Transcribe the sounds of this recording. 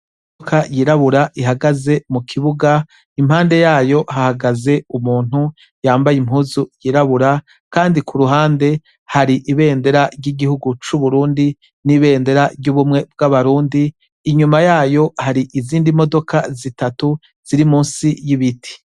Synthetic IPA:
okʰajiɾaβuɾaʔiɦaɡaze̞mukʰiβuɡa | imhaːnde̞jaːjo̞hahaɡaze̞umuːn̥hu | jaːmbajimhuːzujiːɾaβuɾa | kaːndikuɾuɦaːnde̞ | haɾiʔiβe̞ːnde̞ɾaɾɟiɡihuɡut͡ʃuβuɾuːndi | niβe̞ːnde̞ɾaɾɟuːβumŋe̞b̚ɡaβaɾuːndiː | ɲumajaːjo̞haɾiʔiziːndimo̞do̞kʰazitatu | z̥iɾimuːnsijiβitʰi̥

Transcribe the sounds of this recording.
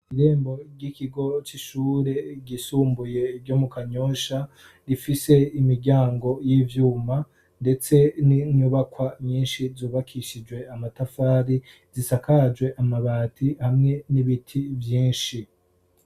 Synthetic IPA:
iɾe̞ːmbo̞ɾɟikiɡo̞t͡ʃiʃuːɾe̞ɟisuːmbuje̞ɾɟo̞mukaɲo̞ːʃa | ɾifise̞imiɾɟaːŋɡo̞jiːvjuːma | nde̞t͡se̞niɲuβakwaɲiːnʃizuːβakʰiʃid͡ʒwe̞amatafaːɾi | zisakad͡ʒɡwe̞ʔamaβaːtʰihamŋe̞niβitʰivjiːnʃi

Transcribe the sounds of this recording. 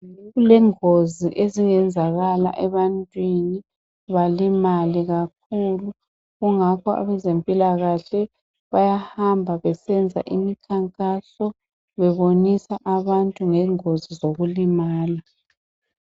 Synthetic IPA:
ulɛŋoziʔeziŋɛnd͡zʱaɣala̰ʔɛβantʼwini | βalimaliɣak̚ʰulu | ɣuŋakʰɔa̰βɛzempʼilaɣaɬɛ | βajahambʱaβɛsɛnd͡zʱa̰ʔimikʰaŋkʼasɔ | βɛβonisaʔaβantʼuŋɛŋozizoɣulimaːna

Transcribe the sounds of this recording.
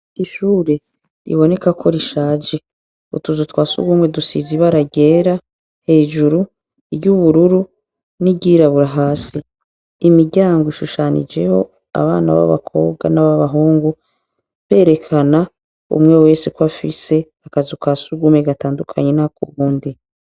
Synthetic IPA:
iʃuːɾe̞ | ɾḭβo̞ne̞kakʰo̞ɾiʃaːd͡ʒe | ṵtuzutwaːsṵɡumwe̞dusiziβaɾaɟe̞ːɾa | he̞ːd͡ʒuɾu | iɾɟuβuɾuɾu | niɟiɾaβuɾaɦaːsiː | miɾɟaːŋɡoiʃuʃanḭd͡ʒe̞ho̞ | a̰βa̰ːna̰βa̰βa̰kʰo̞̰ːβɡanaβaβaɦoːŋɡu | βe̞ːɾe̞kʰana | ṵmŋe̞we̞ːsekwafise̞ | akazukwaːsuɡumwe̞ɡataːndukʰaɲe̞nakuβuːndi

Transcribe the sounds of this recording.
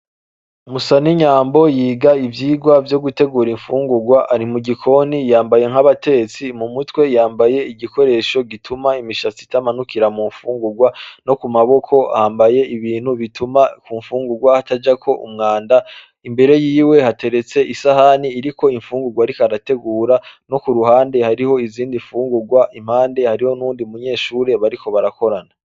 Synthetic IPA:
umusaniɲaːmbo̞jiːɡaivjiːɡwavjo̞ɡute̞ɡuːɾiɱfuːŋɡuɡwaʔaɾimuɡikʰo̞nijaːmbaje̞ŋ̥haβate̞t͡simumutwe̞jaːmbaje̞iɡiko̞ɾe̞ʃo̞ɡitʰumaimiʃat͡si̥tamanukiɾamuːɱfuːŋɡuɡwano̞kumaβo̞kʰo̞a̰haːmbaje̞iβiːn̥huβitumakuɱfuːŋɡuɡwahatad͡ʒakʰo̞ʔṵmŋaːnda | imbe̞ɾe̞jiːwe̞hate̞ɾe̞t͡se̞ʔisahaniːɾiko̞iɱfuːŋɡuɡwaɾikaɾate̞ɡuːɾano̞kuɾuɦaːnde̞haɾiho̞iziːndiɱfuːŋɡuɡwaʔim̥aːnde̞haɾiho̞nuːndiumuɲe̞ːʃuːɾe̞βaɾikʰo̞βaɾako̞ɾana

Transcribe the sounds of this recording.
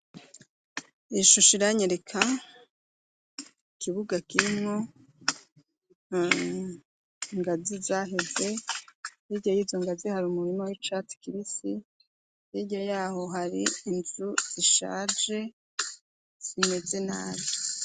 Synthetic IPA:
iʃuʃiɾaɲeɾekʰa | ikiβuɡakiɾimo̞ | ŋɡazizaːɦe̞ze̞ | jiɟajiːzo̞ŋɡazihaɾumuɾimowit͡ʃatkiβisi | jiɟajaːho̞ɦaɾiːnzuz̥iʃa̰ːʒe̞ | z̥ime̞ze̞na̰ːβo

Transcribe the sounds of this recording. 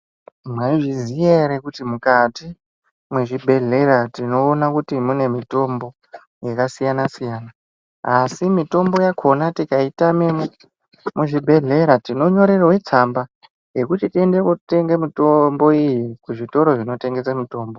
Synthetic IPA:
mwaiʐizijeɾekutimukati | mweʐibʱe̞ɮe̞ɾatino̞ːnakutimune̞mito̞mbo̞ | jakasijanasijaːna | asimito̞mbo̞jakʰo̞natikaitamem | muʐibʱe̞ɮe̞ɾatino̞ɲo̞ɾerowe̞t͡samba | je̞kutitie̞ndekute̞ŋɡemitombo̞ijikuʐito̞ɾo̞ʐino̞te̞ŋɡe̞samuto̞ːmbo̞

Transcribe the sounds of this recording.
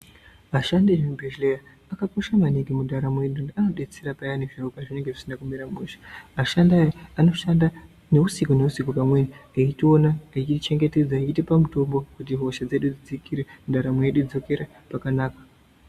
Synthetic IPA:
ʋaʃandiebʱeʒlejaː | kako̞ʃamaniŋɡemudʱaɾamwe̞ɗuano̞ɗe̞t͡seɾapajaneʐaukaʐine̞ŋɡeʐisinakumiɾamuʃḁʋaʃandajaano̞ʃanda | ne̞usikone̞usikopamwenieitio̞naet͡ʃit͡ʃe̞ŋɡe̞te̞d͡zait͡ʃitipamuto̞mbo̞kutiɦo̞ʃad͡ze̞ɗud͡zid͡zikiɾedaɾamueɗud͡zo̞ke̞ɾa | pakanaːkḁ

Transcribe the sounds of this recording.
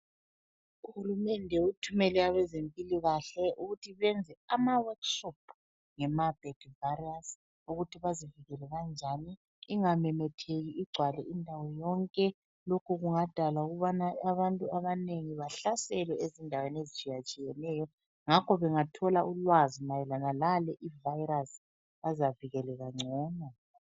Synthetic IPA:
uhulumɛndʱɛutʰumɛlɛaβɛzempʼiliɣaɬɛʔuɣutʰiβɛnd͡zʱɛamawakʃɔp̚ʰ | ŋɛmab̥ʱɛɡ̥varias | uɣutʰiβaziviɣɛlɛɣand͡ʒʱaniː | ŋamɛmɛtʰeɣiiɡ͡ǀʱwalɛʔindʱawɔjɔŋkʼɛ | lokʰuɣuŋad̥ʱalauɣuβanaaβantʼuaβaneŋiβaɬasɛlɛezindʱaweniezit͡ʃʼijat͡ʃʼijɛnɛjɔ | ŋakʰɔβɛŋatʰɔlaʔulwazinajɛlanalalɛʔivajras | azaviɣɛlɛɣaŋ͡ǀʱɔːna

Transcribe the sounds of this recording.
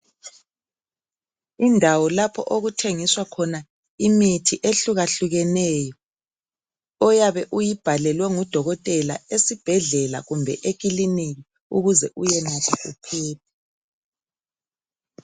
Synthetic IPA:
indʱawɔlapʰɔ̰ʔoɣutʰeŋiswakʰɔna | imitʰiʔeɬuɣaɬuɣɛnɛːjɔ | ɔjaβɛʔujib̥ʱalɛlwɛŋud̥ʱɔɣɔtʼɛla̰esib̥ʱɛɮɛla̰ɣumbʱɛʔeɣ̬ʼiliniɣi | uɣuzɛʔujɛnatʰɛʔupʰɛːp̚ʰɛ̥

